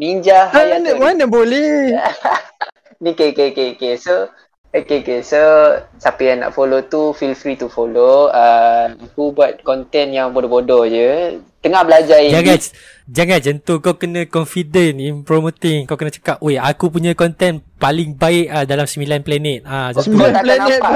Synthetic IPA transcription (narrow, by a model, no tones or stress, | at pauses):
miɲd͡ʒahanawanəbolɛh | nikekeokeokeso | okekesosapajaŋna̰ʔfolot̪ufilfɾit̪ufoloəakubuat̪̚kɔnt̪ɛnjaŋbodɔbodɔd͡ʒət̪əŋahbəlad͡ʒaid͡ʒaŋa | d͡ʒaŋand͡ʒənt̪ukawkənãkɔnfidɛninpɾɔmot̪ɪŋkawkənə̃t͡ʃə̥kap̚ojakup̬uɲãkɔnt̪ɛnpalɪŋbaɪʔadalamsəmilanplɛnɛt̪̚ad͡ʒasiaaplananɛa